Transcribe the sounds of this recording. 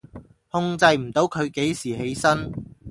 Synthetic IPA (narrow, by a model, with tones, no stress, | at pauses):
hʊ˧ŋt͡sɐ˧jm̩˨˩t̪o˨˥wkʰɵ˨˧ɥke˨˥jsiː˨˩he˨˥jsɐ˥n